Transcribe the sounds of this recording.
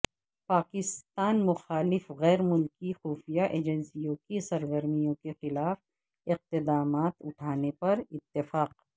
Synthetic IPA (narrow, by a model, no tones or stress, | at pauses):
paːkɪst̪aːnmʊxaːlɪfɣɛːɾmʊlkixuːfijaʔeːd͡ʒənsijõkisɐɾɡəɾmijõkexɪlaːf | ɪq̚t̪ɪd̪aːmaːt̪ʊʈʰaːnepɐɾɪt̪ːɪfaːq